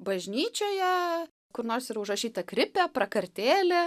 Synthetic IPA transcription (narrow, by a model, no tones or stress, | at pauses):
bɐʒʲnʲiːt͡ʃʲoːjɛ | kʊɾnoːrsiːɾɐʊʒrɐʃʲiːt̪ɐkɾʲɪpʲɛpɾɐkɐɾʲt̪ʲeːlʲe